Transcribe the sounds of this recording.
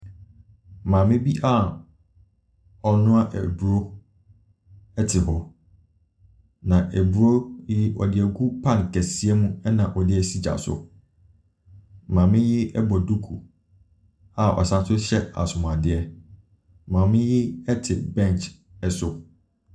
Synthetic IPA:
mãː˨mɪ̃˦bi˦ʔa˦˨ | ɔ˨nʊ̃˦a˦ʔɛ̰˨bu˨o˦ | ɛ˦tʰɪ˨ɦɔ˦ | nã˨ʔæ˨bu˨o˦jɪ˦ʔɔ̰˨dɪ˨ɛ˨ɡu˦pʰã˦nkʰæ˨si˨ɛ˦mũ˦ɛ˦nã˨ʔɔ˨dɪ˦ɛ˨si˦d͡ʑa̰˨sʊ̰˨ | mãː˨mɪ̃˦jɪ˦ɛ˦bɔ˨du˦kʰu˨ | a˨ʔɔ̰˨sã˦sʊ˦ɕɛ˦a̰˨sʊ˨m˨a˨dɪ˨ɛ˦˨ | mãː˨mɪ̃˦jɪ˦ɛ˦tʰɪ˨bɛ̃˦˨nt͡ʃ | ɛ˨sʊ˨

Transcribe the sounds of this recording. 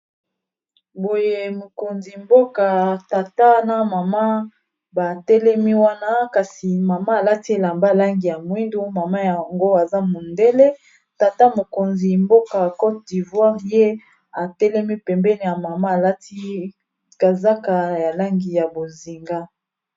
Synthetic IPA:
bo˨je˦˨mo˨ko˨nzi˨mbo˦ka˨ta˨ta˦na˦ma˨ma˦ | ba˨tɛ˦lɛ˦mi˦wa˦na˦ka˨si˨ma˨maː˦˨la˦ti˦e˨la˨mba˦˨la˦ŋɡi˨ja˨mwi˦ndo˦ma˨ma˦ja˨ŋɡo˦a˨za˦mo˨nde˦le˦ | ta˨ta˦mo˨ko˨nzi˨mbo˦ka˨kɔ˦tdi˨vwa˦ʁje˦ | a˨tɛ˦lɛ˦mi˦pɛ˨mbɛ˦ni˨ja˨ma˨ma˦a˨la˦tʰi˦ | ka˨za˦ka˨ja˨la˦ŋɡi˨ja˨bo˨zi˨ŋɡa˦

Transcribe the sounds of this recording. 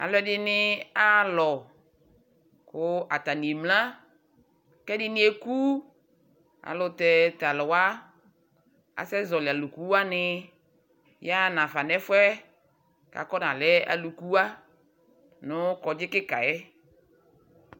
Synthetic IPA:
a̰˨lɔ˦ɛ˦dɪ˦nɪ˦a˦lɔ˨ | kʊ˦a˨ta˨ni˨e˨mlã˦ | kɛ˦dɪ˦nɪ˦e˦ku˦ | a̰˨lʊ˨tɛ˦ta˨lʊ˨wa˦ | a̰˨sɛ˦zɔ˨la˨lu˨ku˦a˦nɪ˦ | ja˦˨nã˨fa˨nɛ˦fʊ˦ɛ˦ | ka̰˨kɔ˦na˨lɛ˦a̰˨lu˨ku˦a˦ | nʊ˦kɔ˨d͡ʒɪ˦kɪ˦ka̰˨jɛ˦

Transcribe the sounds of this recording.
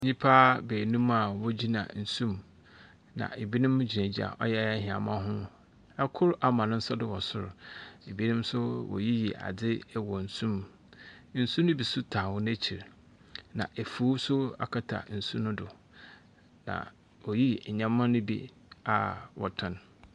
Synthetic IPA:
ɲĩ˦pʰa˦beː˨nũ˦ma˨wɔ˦d͡ʑi˦nã̰˨n̩˨sũ˦m | nã̰˨ʔe˨bi˦nʊ̃˦m˦d͡ʑi˨nẽ˨d͡ʑi˦a̰˨ʔɔ̰˦jɛ˦ɛ˦ɦɪ̃˨a̰˨mã˦ɦʊ̃˦ | ɛ˦kʰʊ˦ɾa˨mã˨nʊ̃˦n̩˦sɔ˦dʊ˦wɔ˨sʊ˦ɾe˨bi˦nĩ˦msʊ˦wɔ̰˨ji˦ji˨ʔa̰˨d͡zɪ˦wɔ˨n̩˨sũ˦m | n̩˨sũ˦nʊ̃˦bi˨sʊ˦tʰaː˨wʊ˦n˦æ˦t͡ɕʰi˨ɾ | nã̰˨ʔe˨fuː˨˦sʊ˦a̰˨kʰa˦tʰa̰˨n̩˨sũ˦nʊ̃˦dʊ˨ | nã̰˨ | wɔ˨ji˦˨ɲã˦mː˦ã˦nʊ̃˦bḭ˦ | a̰˨wɔ̰˨tʰʊ̃˨n˨

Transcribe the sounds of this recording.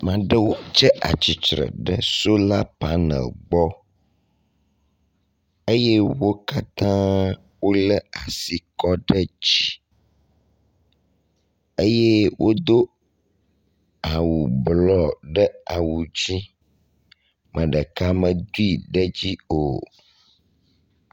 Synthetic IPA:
mã˨ɖə˦wo˦t͡ʃɛ˦ʔa̰˨t͡ɕi˨t͡ʃɾə̰˨ɖə˦so˦la˦pa˦nə̰˨lɡ͡bɔ˦ | e˦je˦wo˦ka˦t̪ã˦ | wo˦lə˦a˨si˦kɔ˦ɖə˦d͡ʑi˦ | e˦je˦wʔo˦d̪o˦ | a˨wu˨blɔ˦˨ɖə˦a˨wu˨d͡ʑi˦ | mə̃˨ɖə˨ka˦mə̃˨d̪u˦i˨ɖə˦d͡ʑi˦o˨

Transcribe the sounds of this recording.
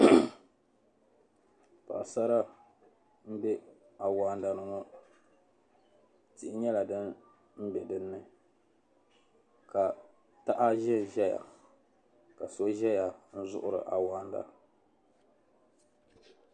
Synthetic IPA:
pa̰˨ʔsa˦ɾa˦ | m̩˦bɛ˦ | a˨waː˨˦nda˨nɨ˨ŋɔ˦ | tɪ˨ʔɪ˦ɲɛ˦la˨dɨ˦n | m̩˦bɛ˨dɨ˦nːɨ˦ | ka˨ | ta˦ʔa˦ʒɛ˦˨ʒɛ˦ja̰˨ | ka˨so˦ʒɛ˦ja˨n̩˦zʊ̰˦ʔʊ˦ɾɨ̰˨ʔa˨waː˦nda̰˨

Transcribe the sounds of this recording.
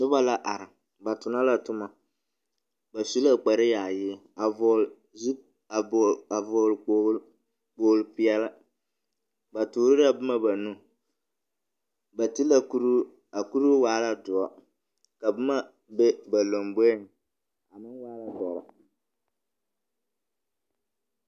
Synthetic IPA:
dʊ˦ba˦la˦ʔa˨ɾɪ˨ | ba˨tʊ˨na˦la˦tʊ˦ma˨ | ba˨su˦la˦k͡pa˨ɾɪ˦jaː˨jɪ˦ | a˨vɔ˨l | zi˦ | a˨a˨vɔː˨lk͡pː | k͡poː˨lpɪ˦ɛ˦la˦ | ba˨tuː˨ɾɪ˦la˦bʊ˦ma˦ba˨nu˦ | ba˨tɪ˦la˨ku˦ɾ | a˨ku˦ɾu˦waː˦la˦dʊ˨ɔ˦ | ka˨bɨ˦ma˦ | be˦ba˨lo˨mbe˦ɪ˦˨ŋ | a˨mɨ˦ŋwaː˦la˦dɔ˨ɾa̰˨

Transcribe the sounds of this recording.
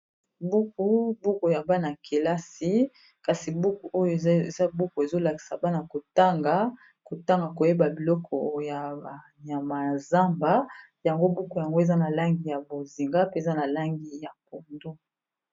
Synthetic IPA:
bu˦ku˦bu˦ko˨ja˨ba˦na˨kʰe˨la˦si˦ | ka˨si˨bu˦ku˨ʔo˦jo˨e˨za˦bu˦ko˨e˨zo˦la˨ki̥˨sa˨ba˦na˨ko˨ta˦ŋɡa˦ | ko˨ta˦ŋɡa˨ko˨je˦ba˨bi˨lɔ˦kʰɔ˨ja˨ | ja˨ma˨za˦mba˦ | ja˨ŋɡo˦bu˦ko˨ja˨ŋɡo˦e˨za˦na˨la˦ŋɡi˨ja˨bo˨zi˨ŋɡa˦pe˦˨za˦na˨la˦ŋɡi˨ja˨ko˨ndo˦

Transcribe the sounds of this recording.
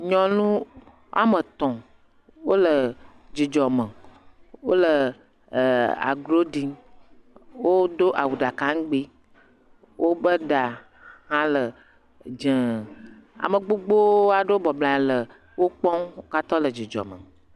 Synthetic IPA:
ɲɔ̃˨nũ˦ | a̰˦mə˨t̪ɔ̃˨ | wo˦lə˨ | d͡ʒi˨d͡ʒɔ˨mə˨wo˦lə˨ | a̰˨ɡɾo˦ɖi˨ŋ | wo˦d̪o˦ʔa˨wu˨ɖa˨kã˦ŋ˦ɡ͡bi˦ | wʔo˦bə˦ɖa˨ | hã˦lə˨ | d͡ʒə̃˨ | a̰˨mə̃˨ɡ͡bo˦ɡ͡bo˦a˨ɖe˦o˦bɔ˨blã˨lə˨ | wo˦k͡pɔ̃˦wo˦ka˦t̪ɔ˦lə˨d͡ʒi˨d͡ʒɔ̰˨mə̰̃˨

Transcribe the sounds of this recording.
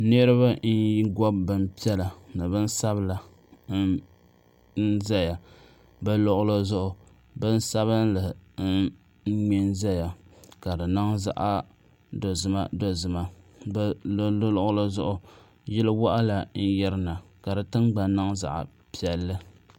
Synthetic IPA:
nɨ˦ɾɨ˦ba˦n˦ji˦ɡɔ˦bːɨ˨mpi˦ɛ˦la˨nɨ˨bɨ˦n˦sa˦bla˨˦ | n̩˦za˦ja˨ | ba˦lɔ˦ʔʊ˦lo˦zʊ˦ʔʊ˨ | bɨ˦n˦sa˦βɨ˦nlɨ˨n̩˦ | mɛ˦nza˦ja˨ka˨dɨ˨na˦ŋza̰˦˨ʔa˦ | do˨zɨ˨ma̰˨do˦zɨ˨ma˨bllo˦lʔʊ˦lo˦zʊ˦ʔʊ˨ | jɪ˦lɨ˦wa˦ʔa˦la˨n̩˦jɛ˦ɾɨ˦na˨ | ka˨dɨ˨tɨ˦ŋɡ͡ba˨nːa˦ŋza̰˨ʔa̰˨ | pi˦ɛ˨lːɨ˦

